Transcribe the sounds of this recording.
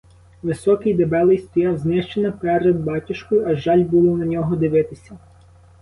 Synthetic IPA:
ʋɪsɔkɪjd̪ebɛlˠɪjst̪ɔjɑwznɪʃt͡ʃenɐpɛɾed̪̚bɑtʲɪʃkɔjʊɐʒɑlʲbulˠɔnɐnʲɔɦɔd̪ɪʋɪt̪ɪsʲɐ

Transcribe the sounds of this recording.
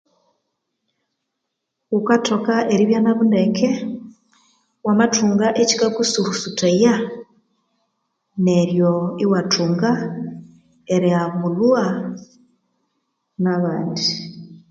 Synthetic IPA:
ukatokaʔeɾiβjanaβundekʰe | wamatuːŋɡaʔeci̥kakusuɾusuteja | neɾjoiwatʰuːŋɡa | eɾeaβulua | naβaːndi

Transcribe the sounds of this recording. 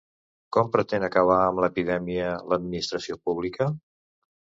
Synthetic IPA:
kɔmpɾət̪enəkəβ̞aəmləpiðɛmiələd̪̚minist̪ɾəsiopuβlikə

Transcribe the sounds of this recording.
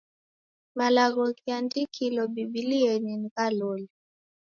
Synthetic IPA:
malaɣɔkiandikʰilɔbibiliɛninikalɔli

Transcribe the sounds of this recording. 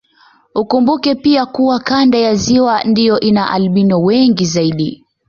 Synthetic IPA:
ukumbukɛpiakuwakandajaziwandijɔʔinaʔalɓinɔwɛŋɡizaiɗi

